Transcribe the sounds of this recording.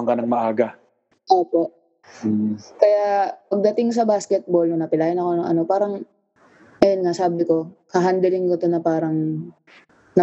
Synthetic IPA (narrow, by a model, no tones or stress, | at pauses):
ɐŋkɐnaŋmɐʔaːɡɐ | ʔoːpo̞ʔ̩ | kɐjaʔpɐɡ̚d̪ɐt̪ɪŋs̬ɐbaskɛt̪̚bo̞lnɐŋnɐpɪlaːjɪnɐko̞noŋʔɐ̰no̞paːɾɐŋ | ʔɐjonŋaʔsaːbɪko̞kɐɦand̪ɛlɪŋkot̪onɐpaːɾɐŋ | nɐ